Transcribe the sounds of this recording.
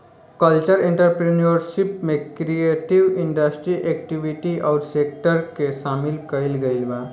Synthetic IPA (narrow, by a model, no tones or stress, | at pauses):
kəlt͡ʃəɾẽɳʈəɾpɾiniəɾʃɪpmẽkɾieːʈiʋɪ̃ɳɖəsʈɾiʔek̚ʈiʋiʈiʔɔːɾseːk̚ʈəɾkesaːmɪlkəɪlɡəɪlbaː